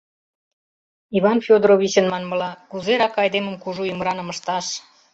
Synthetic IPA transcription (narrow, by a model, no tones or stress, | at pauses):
iβɑnfʲod̪ɾoβʲit͡ɕə̆nmɑnmə̆lɑkuzeɾɑkɑjd̪emə̆mkuʒuyməɾɑnə̆mə̆ʃt̪ɑʃ